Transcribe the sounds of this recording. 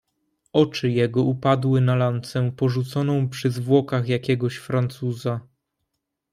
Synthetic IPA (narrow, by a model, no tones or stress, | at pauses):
ɔt͡ʂɘjɛɡɔupad̪wɘnalant̪sɛpɔʐut̪sɔnɔ̃w̃pʂɘzvwɔkaxjakʲɛɡɔɕfɾant̪suza